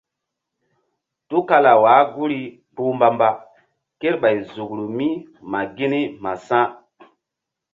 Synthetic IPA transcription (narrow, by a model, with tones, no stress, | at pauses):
tu˦ka˦la˨waː˨˦ɡu˦ɾi˦ | pu˦mba˨mba˨ | ke˦ɾɓa˨jzu˨kɾu˨mi˦ | ma˨ɡi˦ni˦ma˨sã˦